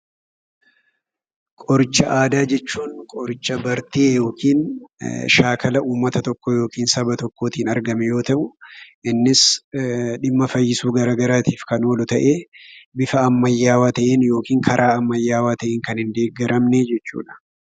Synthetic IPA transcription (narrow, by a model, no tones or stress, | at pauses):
kʼɔɾɪt͡ʃːɐʔaːd̪aːd͡ʒɛt͡ʃːuːnkʼɔɾɪt͡ʃːɐbɐɾt̪eːjo̞ːkʰiːn | ʃaːkʰɐlɐʔuːmːɐt̪ɐt̪ɔkːɔjo̞ːkiːnsɐbɐt̪ɔkːo̞ːt̪iːnɐɾɡɐmɪjo̞ːt̪ɐʔʊʔɪnːɪs | ᶑɪmːɐfɐjːɪsuːɡɐɾaːɡɐɾaːt̪iːfkɐnwɔlʊt̪ɐʔeːbɪfɐːmːɐjːaːwaːt̪ɐʔeːnjo̞ːkiːŋkʰɐɾʔaːɐmːɐjːaːwaːt̪ɐʔeːŋkɐnhɪnd̪e̞ːɡɐɾɐmned͡ʒɛt͡ʃːṵːᶑɐ̥